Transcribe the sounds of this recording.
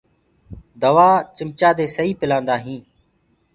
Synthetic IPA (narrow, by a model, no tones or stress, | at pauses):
d̪əʋaːt͡ʃɪmt͡ʃaːd̪eːsəiːpɪlãːnd̪aːɦĩː